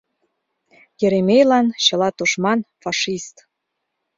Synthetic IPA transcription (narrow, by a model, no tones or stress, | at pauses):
jĕɾemʲejlɑnɕɤ̆lɑt̪uʃmɑnfɑʃist̪